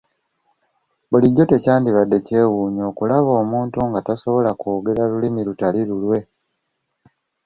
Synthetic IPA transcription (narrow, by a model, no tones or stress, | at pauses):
buliɟːo̞te̞caːndiβadːe̞ce̞ːwuːɲo̞ːkulaβo̞ːmuːntuŋɡataso̞βo̞lakoːɡe̞ɾalulimiɾutaliɾulwe̞